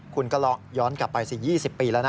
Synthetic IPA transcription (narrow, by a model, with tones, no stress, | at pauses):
kʰu˧nka˧lɔ˦˧˥ʔ̚jɔː˦˥nkla˨˩pːa˧jsi˨˩jiː˥˩si˨˩pːiː˧lɛː˦˥na˦˧˥